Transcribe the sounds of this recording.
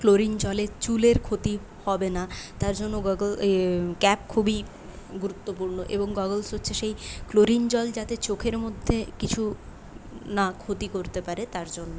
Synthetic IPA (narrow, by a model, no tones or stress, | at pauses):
kloɾind͡ʑɔlet͡ɕuleɾkʰot̪i | hɔbenat̪aɾd͡ʑonːoɡɔɡolkɛp̚kʰubi | ɡuɾut̪ːopuɾnoʔḛboŋɡɔɡolsɦotːɕʰeʃejkloɾind͡ʑɔld͡ʑat̪et͡ɕokʰeɾmod̪ʱːekit͡ɕʰu | nakʰot̪ikoɾt̪epaɾet̪aɾd͡ʑonːo